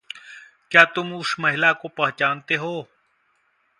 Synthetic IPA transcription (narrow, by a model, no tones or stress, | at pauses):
kjaːt̪ʊmʊsmɐɦɪlakopɐɦt͡ʃaːnt̪eɦoː